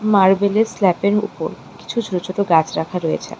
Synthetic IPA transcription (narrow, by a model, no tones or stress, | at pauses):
maɾbeleslɛpeɾṵpo̰ɾ | ki̥t͡ɕʰud͡ʑʱoɾot͡ɕoʈoɡat͡ɕʰɾakʰaɾoḛt͡ɕʰḛ